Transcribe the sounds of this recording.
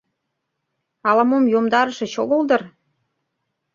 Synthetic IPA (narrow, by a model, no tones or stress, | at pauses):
ɑlɑmomjomd̪ɑɾəʃĕɕoɣold̪ɤ̆r